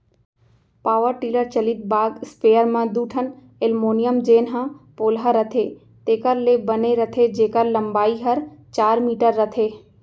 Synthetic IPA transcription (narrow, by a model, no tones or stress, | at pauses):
paːʋəɾʈiːləɾt͡ʃəlɪt̪̚baːɡspejəɾmãd̪uːʈʰən | elmoːnijəmd͡ʒeːnɦãpoːlɦəɾət̪ʰe | t̪eːkəɾlebəneɾət̪ʰed͡ʒeːkəɾləmbaːiɦəɾt͡ʃaːɾmiːʈəɾːət̪ʰeː